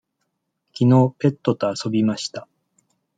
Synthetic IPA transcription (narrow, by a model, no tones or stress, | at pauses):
kʲino̞ːpe̞t̪ːo̞t̪o̞aso̞bʲimaɕi̥t̪a